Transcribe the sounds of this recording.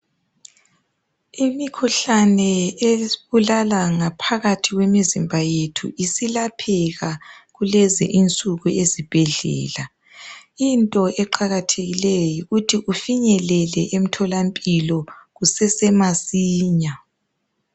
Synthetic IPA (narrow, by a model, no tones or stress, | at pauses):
imikʰuɬanɛeβulalaŋapʰaɣatʰiɣwɛmizimbʱajetʰṵʔisilapʰɛɣaɣulɛzɛ̰ʔint͡sʼuɣuezib̥ʱɛɮɛ̰ːla | intʼɔʔɛǃʰaɣatʰeɣilejiutʰiʔufiɲɛlɛlɛʔem̩tʰɔlampʼilɔɣusɛsɛmasiːɲa